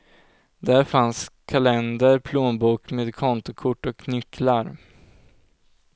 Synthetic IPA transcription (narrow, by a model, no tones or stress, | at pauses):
d̪æɾfanskʰalɛnd̪əɾpʰloːnbuːkmeːd̪kʰɔnt̪ʊkʰʊʈːɔknʏklaɾ